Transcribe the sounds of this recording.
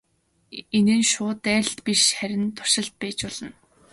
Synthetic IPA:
enɘ̆nʃʊːt̪æ̆ːɬt̪piʃχæɾʲɪ̆nt̪ʰʊ̥r̥ʃɪ̆ɮt̪̚pæːt͡ɕpɔɮə̆n

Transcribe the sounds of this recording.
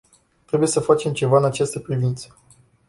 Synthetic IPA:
t̪ɾe̞buje̞səfat͡ʃe̞mt͡ʃe̞vaɨnat͡ʃast̪əpɾivint̪sə̥

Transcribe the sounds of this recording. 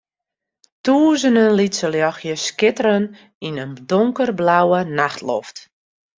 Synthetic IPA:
tuəzənənlitsəljɔxjəskɪtəɾən | inəndoŋkərblawənaxtlɔ̰ft

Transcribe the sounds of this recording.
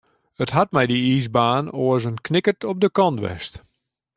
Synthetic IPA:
ətɦat̚mɛjdiiːzbaːnoəzənknɪkərtɔp̚dəkɔntʋɛ̰st

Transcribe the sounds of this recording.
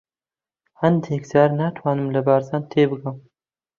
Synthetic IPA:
hand̪ekzaɾnat̪ʰwaːnɨmlɐbaɾzaːnt̪ʰeːbɨɡam

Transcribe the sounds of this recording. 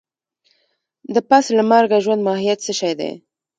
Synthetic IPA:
d̪əpaslamaɾɡaʒwand̪mɑhijat̪səʃɑjd̪ḛ

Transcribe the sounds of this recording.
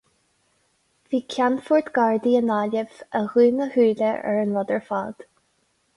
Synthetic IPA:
viːkʲʰanfʊɹt̪ɡ̥ɑɹd̪iənaːləvəɣuːnəhʉːləʔɛ̰ɹənɹɔd̪əɹfɑ̰ːd̪̥

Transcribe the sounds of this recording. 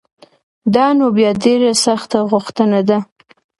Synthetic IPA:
d̪ɑnobjɑdeɾasaxt̪aɣʊxt̪ənad̪a

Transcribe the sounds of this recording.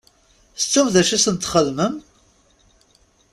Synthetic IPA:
θət͡sːæwðæʃisənt̪χəðməm

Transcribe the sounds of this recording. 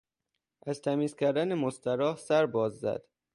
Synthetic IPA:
ʔæzt̪ʰæmiːzcʲʰæɾd̪ænemost̪æɾɒːhsæɾbɒːzːæ̰d̪̥

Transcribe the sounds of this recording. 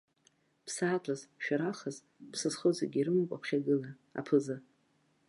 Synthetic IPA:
pʰsaːtʷʰʼazʃᶣaɾaχaz | pʰsɨsχozaɡʲiɾɨmɨkʷʼa̰pʰχʲaɡɨla | a̰pʰɨzɨ

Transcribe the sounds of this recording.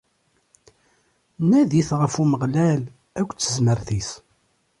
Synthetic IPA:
næðiθʁəfuməʁlæl | ækʷːt͡sːəzməɾθis

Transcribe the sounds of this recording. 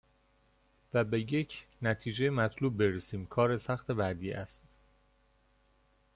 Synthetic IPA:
væbe̞je̞cʰnæt̪ʰiːd͡ʒejemæt̪ʰluːb̚ːe̞ɾesiːmkʰɒːɾesæxt̪ʰe̞bæd̪iːʔæst̪

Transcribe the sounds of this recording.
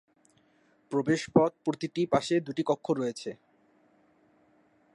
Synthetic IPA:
pɾobeʃpɔt̪̚pɾot̪iʈipaʃed̪uʈikɔkʰːoɾɔet͡ɕʰe

